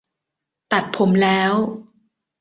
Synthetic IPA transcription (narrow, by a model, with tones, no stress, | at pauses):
t̪a˨˩t̪̚pʰo˩˦mlɛː˦˥w